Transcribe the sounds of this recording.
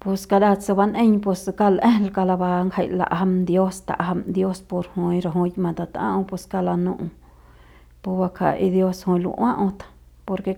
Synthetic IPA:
po˧ska˧ɾa˦t͡sa˧ba˧nʔẽ˦ɲpo˧ska˦lʔẽ˦lka˧la˧ba˧ŋkha˧jla̰˧ʔɦa˧md̪jo˦st̪a̰˨ʔɦa˧md̪jo˦spo˧ɾhu˧ĩ˧ɾa˧ɦu˧jmã˨t̪a˧t̪ã̰˦ʔũ˧pe˧ska˧la˧nũ˧ʔũ˧ | pu˧ba˧kʰa̰˨ʔi˧d̪jo˦shu˧ĩ˧lṵ˧ʔwã˦ʔũ˧t̪ḁ˨ | po˧ɾke˧

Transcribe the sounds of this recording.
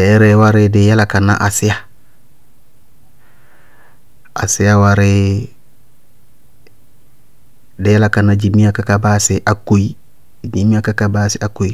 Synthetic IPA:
ɾe˦wa˦ɾɪ˦de˦ja˦la˨ka˨na̰˦ʔa˨sɪ˦ja˦ | a̰˨si˦ja˦waɾe˦ | dɪ˨ja˦la˨ka˨nːa˦d͡ʒi˨mi˦a˨ka˦ka˨ba˦si˨ʔa˨kːo˦i˦ | d͡ʒi˨mi˦a˦ka˦kaba˦si˦a˨ko˦i˦

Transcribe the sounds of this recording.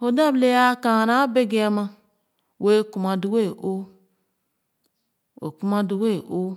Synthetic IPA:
o˨da˦˨ble˦ja˦ka˨ɾa˦be˦ɡe˦a˨ma˦ | we˦ku˨ma˨du˦we˦˨ʔo˦ | o̰˨ku˦ma˦du˨we˦˨ʔo˦

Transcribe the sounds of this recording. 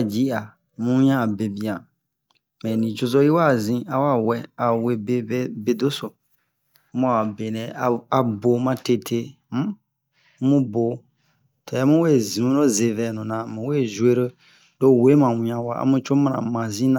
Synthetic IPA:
d͡ʒi˦a˨ | mũ˦wĩ˦ã˦˨be˨bi˦ã˨ | mɛ̃˨nĩ˨t͡ʃo˧zo˦ji˦wa˦˨zĩ˦a˦wa˦˨wɛ˦a˨we˦be˦be˦do˦so˨˦ | mũ˦a˨be˨nɛ̃˨a˨a˨bo˨mã˦te˦tʰe˦ | m̩˦ | mũ˦bo˨ | tʰɔ˨ɛ˦mũ˦we˦˨zĩ˨ũ˦no˦ze˨vɛ˨nũ˨nã˨mũ˨we˦˨zwe˦ɾə˦ | do˦˨we˨˦mã˨wĩ˨˦ã˨wa̰˦a̰˦mũ˦t͡ʃo˦mã˦nã̰˨mã˨zĩ˦nã˨

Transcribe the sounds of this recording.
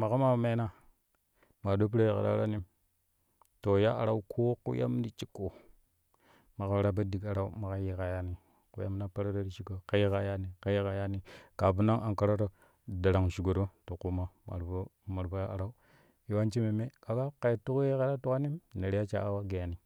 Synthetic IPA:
ma˨ka˦ma˨me˦na˦ | ma˨do˦p̬i˦ɾo˦je˨a̰˨ɾa̰˦ɾa˦ni˦m | to˨ja˦ʔa˨ɾa˦u˦kʰo˦kṵ˦ja̰˦mdi˦t͡ʃi˦kːo˨ | ma˨ka˦ɾa˦ba˦di˨ka˨ɾa˦u˦ma˨ka˦ji˦ka˨ja˦ni˨ | ku˦ja˦m˦na˦pa˦ɾa˦ɾo˦ɾi˦t͡ʃi˦ko˨ka˦ji˦ka˨ja˦ni˨ka˦ji˦ka˨ja˦ni˦ka˨bu˦na˦ŋa˨ka˦ɾa˦to˦ | da˨ɾa˨ŋʃi˨ɡo˨ɾo˦to˨ku˦ma˦˨ma̰˨ɾo˦ | ma˨ɾbo˦ja˦a˨ɾa˦u˦ | i˨wa˦nt͡ʃi˦me˨me˦ka˨ɡa˦ka˨i˨tu˦kje˦ka˨˦ɾa˦tu˦ka˦ni˦mne˨ɾja˦t͡ʃa̰˦a˦wa˦ɡe˨a˨ni˨

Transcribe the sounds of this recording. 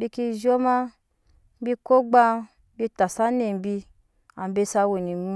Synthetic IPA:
bi˧ki˧ʒɔ˦ma˦ | m̩˦bi˧ko˦ɡ͡ba˧˦ | bi˧ta˨sa˦ne˨m̩˨˦bi˧ | a˨m˦be˧sa˧wo˨ni˨mu˧

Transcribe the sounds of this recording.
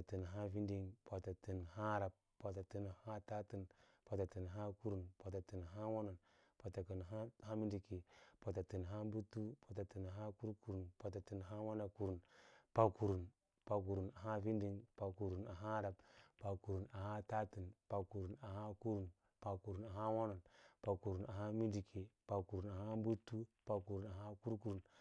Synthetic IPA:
a˨ti˨n˨ɦa˦vi˦ndi˦ŋpa˨ta˨ti˨nha˦ɾa˨b̚ | pa˨ta˨ti˨n˨ha˦ta˦ti˦˨n | pa˨ta˨ti˨n˨ɦa˦ku˦ɾu˨npa˨ta˨ti˨n˨ɦa˦wo˦na˨n | pa˨ta˨kə˨nɦa˦ha˦mi˦ndi˨ki˨pa˨ta˨ti˨nɦa˦mbu˦tu˦pa˨ta˨ti˨na˨ɦa˦ku˦ɾku˨ɾu˨npa˨ta˨ti˨nɦa˦wa˦na˨ku˨ɾu˨npa˨ku˨ɾu˨n | pa˨ku˨ɾu˨na˨ɦa˦vi˦ndi˦ŋpa˨ku˨ɾu˨na˨ɦa˦ɾa˨bpa˨ku˨ɾu˨na˨ɦa˦ta˦ti˨npa˨ku˨ɾu˨na˨ɦa˦ku˦ɾu˨n | pa˨ku˨ɾu˨na˨ɦa˦wo˦no˨npa˨ku˨ɾu˨na˨ɦa˦mi˦ndi˨kʰe˨pa˨ku˨ɾu˨na˨ha˦mbu˦tːu˦pa˨ku˨ɾu˨na˨a˦ku˦ɾku˨ɾu˨n

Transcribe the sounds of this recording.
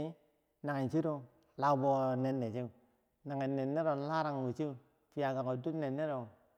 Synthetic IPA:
na˨ŋe˨n˨t͡ʃi˦ɾo˦ | la˦bo˦ne˨nːe˨t͡ʃi˦u˨ | na˨ŋe˨nːe˨nːe˦ɾo˨˦la˦ɾa˨ŋ˨wi˨t͡ʃi˦u˨ | fi˨ja˨ɡa˨ŋo˨du˦ne˨nːe˦ɾo˨

